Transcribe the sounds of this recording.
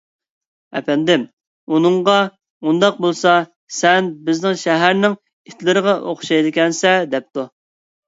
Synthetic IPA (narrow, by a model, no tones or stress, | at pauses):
ɛ̰pɛnd̪ɪm | unɨŋʁɑ | und̪ɑq̚bolˠsɑ | sɛnbɪznɪŋʃɛɦæɾnɪŋ | ɪt̪ʰlɪɾəʁɑʔoχʃɑjd̪ɪkʲɛnsɛd̪ɛp̚t̪u